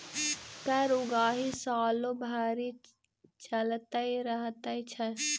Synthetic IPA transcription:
kəɾuɡaːɦisaːlobʱaːɾi | t͡ʃəlt̪əiɾəɦt̪əit͡ʃʰə

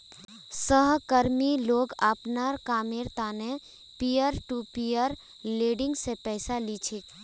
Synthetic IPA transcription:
səɦkəɾmiloːɡaːpnaɾkaːmeɾt̪ane | pijəɾʈupijəɾ | leːɖɪ̃ŋɡsepɛːsalit͡ʃʰe

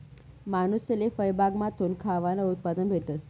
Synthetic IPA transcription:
manuselefəjbʱaɡmãt̪ʰunkʰaʋanout̪̚pad̪ənbʱet̪əs

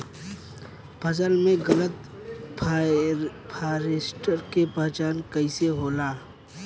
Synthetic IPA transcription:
pʰəsəlmẽɣələt̪ | pʰaːɾeːsʈəɾkepəɦt͡ʃaːnkəɪseɦoːlaː

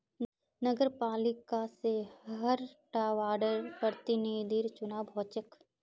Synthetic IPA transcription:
nəɡəɾpaːlɪkaseɦəɾʈaːʋaːɾɖəɾpɾəɾt̪ɪniːd̪ʱiɾt͡ʃʊnaːbʱɔːt͡ʃək

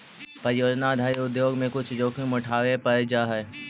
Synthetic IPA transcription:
pɐɾɪjoːd͡ʒnad̪ʱaːiʊd̪joːɡmẽkʊt͡ʃʰd͡ʒoːkʰẽmʊʈʰaːʋepɐɾed͡ʒaːɦɛ

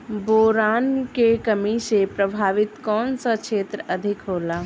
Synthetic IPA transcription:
boːɾaːnkekəmisepɾəbʱaːʋɪt̪kɔːnsəkt͡ʃʰeːt̪ɾəʔəd̪ʱɪkɦoːla

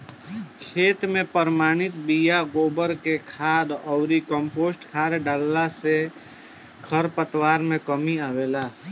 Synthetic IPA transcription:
kʰeːt̪mẽpəɾmaːɽ̃ɪt̪bijaɡoːbəɾkekʰaːd̪ɔːɾikə̃mpoːsʈkʰaːɾɖəlːase | kʰəɾpət̪waːɾmẽkəmiaːʋeːlaː

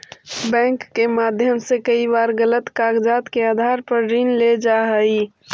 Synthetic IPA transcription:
bɛ̃ːŋkːemaːd̪ʱjəmsekəibaːɾɡələt̪kaːɡd͡ʒaːt̪keaːd̪ʱaːɾpəɾɾiːnled͡ʒaːɦəi

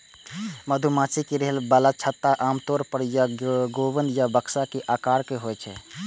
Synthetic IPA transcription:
məd̪ʱumãːt͡ʃikeɾeɦlbəlat͡ʃʰət̪ːaʔaːmt̪ɔːɾpəɾjaɡoʋənd̪jabəksakeʔaːkaːɾkeɦoɛt͡ʃʰɛ̰

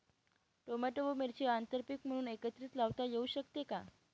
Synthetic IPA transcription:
ʈomaʈoʋomeɾt͡ɕeant̪əɾpikm̤əɽ̃uːnekət̪ɾiːt̪laʋt̪ajeuɕəkt̪eka

